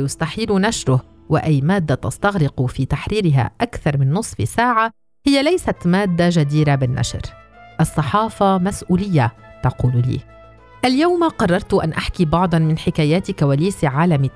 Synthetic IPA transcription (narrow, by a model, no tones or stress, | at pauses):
jʊst̪aħiːlʊnaʃɾʊh | wɪʔajːmaːd̪ːat̪ɑ̰st̪ɑɣɾɪqfiːt̪aħɾiːɾɪɦa̰ʔakθɑɾˤmɪnːʊsˤfɪsaːʕa | hɪjːalajsat̪maːd̪ːaʒad̪iːɾabɪnːʔa̰ʃɾ | ʔɑsˤːɑħɑːfɑmasʔuːlɪjːat̪ɑquːllḭː | ʔaljawmaqɑrˤːɑɾˤt̪ʊʔanʔaħkibɑʕd̪ˤɑnmɪnħɪkaːjaːt̪kawaːliːsʕaːlamɪ